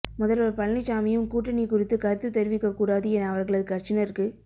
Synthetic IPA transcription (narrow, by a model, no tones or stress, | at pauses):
mʊðɐlɐɾpɐɭnɪt͡ʃːaːmɐjɯmkuːʈːɐnikʊrɪt̪ːɯkɐɾɯt̪ːɯt̪ːɛɾɪʋɪkːɐkːuːɽaːðɯɛnɐɐʋɐɾɣɐɭɐðɯkɐɾt͡ʃɪnɐɾkɯ